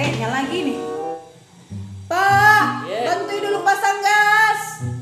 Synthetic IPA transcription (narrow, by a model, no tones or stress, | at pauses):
etjaŋlaɡinɪh | pa | t̪ant̪uidulupasaŋɡas